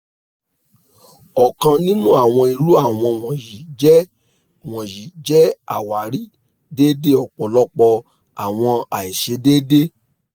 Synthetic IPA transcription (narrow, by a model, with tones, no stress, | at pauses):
ɔ˨kã˧nĩ˦nũ˦a˨w̃ɔ̃˧i˧ɾu˦a˦˨w̃ɔ̃˧w̃ɔ̃˨ji˨d͡ʒɛ˦ | w̃ɔ̃˨ji˨d͡ʒɛ˦a̰˦˨wa˨ɾi˦ | de˦de˦ɔ˨k͡pɔ˨lɔ˦k͡pɔ˧ | a˨w̃ɔ̃˧a˨i˨ʃe˧˦deː˦de˦